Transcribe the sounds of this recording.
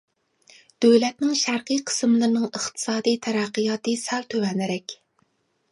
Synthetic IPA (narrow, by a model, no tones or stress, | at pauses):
d̪̥øwlɛt̪̚nɪŋʃæɾqɨjqʰə̥smlˠɨɾnɨŋəχt̪ʰɨ̥sɑːd̪ijt̪ʰɛɾæqːijɑt̪ɨsælt̪ʰøwɛnɪɾɛkʲ